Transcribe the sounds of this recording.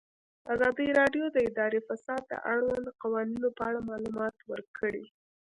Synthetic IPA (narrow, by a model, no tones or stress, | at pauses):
azɑd̪əjɾɑɖjod̪əɪd̪ɑɾefasɑd̪ːə̰ʔaɽwand̪qawɑninopəaɽamɑlumɑt̪wəɾkʰəɽi